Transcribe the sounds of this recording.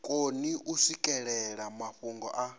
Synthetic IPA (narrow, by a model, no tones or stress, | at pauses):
kʼoniʔusikʼɛɺɛɺamaɸuŋɡɔ̰ʔa